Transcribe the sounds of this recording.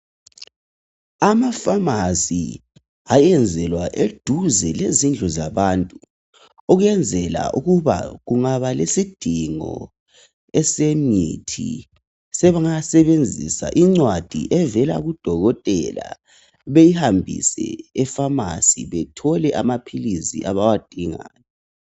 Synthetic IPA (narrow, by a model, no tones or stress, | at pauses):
amafamasḭ | ajɛnd͡zʱɛlwaʔed̥ʱuzɛlezind͡ɮʱɔzaβaːntʼu | oɣɛnd͡zʱɛla̰ʔuɣuβa̰ɣuŋaβalesid̥ʱiŋɔ̰ | ɛsemḭtʰi | sɛβaŋasɛβend͡zʱḭsa̰ʔiŋ͡ǀwad̥ʱḭʔɛvɛla̰ɣud̥ʱɔɣɔtʼɛla̰ | βejihambʱḭsɛ̰ɛfama̰siβɛtʰɔlɛʔamapʰilisḭʔaβawad̥ʱiŋa̰ːnɛ